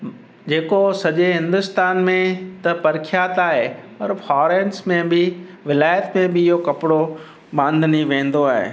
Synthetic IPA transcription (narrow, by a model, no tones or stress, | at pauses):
d͡ʑeːkosɐʄeɦɪ̃nd̪ʊst̪aːnmẽt̪ɐpɐɾɪkʰijaːt̪aːɦepɐɾfɔːɾeːnsmẽbɪʋɪlaːjət̪mẽbɪɪɦokɐpɪɽo | bãːnd̪ʱniʋẽːnd̪oaːɦḛː